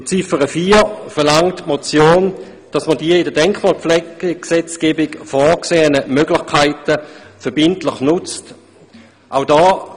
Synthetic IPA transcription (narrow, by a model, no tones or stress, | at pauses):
t͡sifəʁəfiːfɛɐlaŋtmot͡sjoːn | d̥ɑsmədiːəɪdədɛŋkχmaːlflɛɡəksɛt͡sɡ̥eːbɪɡfɔːkseːənəmøɡlɪχkʰaɪtəfɛɐb̥ɪntlɪχnʊt͡st | ʔaʊdɔː